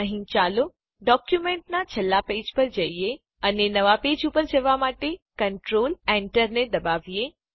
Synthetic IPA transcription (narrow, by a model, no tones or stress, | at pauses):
əɦĩt͡ʃaːlo | ɖɔːkjumẽːɳʈ̚nat͡ʃʰɐlːapeːd͡ʒpəɾd͡ʒɐie | ənenɐʋapeːd͡ʒupəɾd͡ʒɐʋamaːʈekɐɳʈɾoːleɳʈəɾned̪ɐbaːʋije